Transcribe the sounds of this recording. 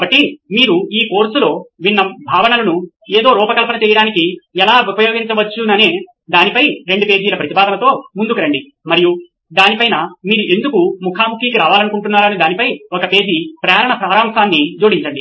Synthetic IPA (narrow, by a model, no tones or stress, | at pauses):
kɐbɐʈːimiːɾuiːko̞ːɾsulo̞ːʋinːɐbʱaːʋɐɳɐlɐnu | eːd̪o̞ːɾuːpɐkɐlɐpɐnɐt͡ʃɛːjɐɽaːnikiɛlaːupɐjo̞ːɡiɲt͡ʃɐʋɐt͡ʃːunɐneː | d̪aːnipɐjɾe̞ɳɖupe̞ːd͡ʒiːlɐpɾɐt̪ipaːd̪ɐnɐt̪o̞ːmund̪ukuɾɐɳɖi | mɐɾiju | d̪aːnipɐjnɐmiːɾuʔe̞nd̪ukumukʰaːmukʰiːkiɾaːʋaːlɐnukuɳʈunːaːɾɐnid̪aːnipɐjɔkɐpe̞ːd͡ʒipɾɐːɾɐɳɐpɾaːɾaːmʂaːnːid͡ʒoːɽiɲt͡ʃɐɳɖi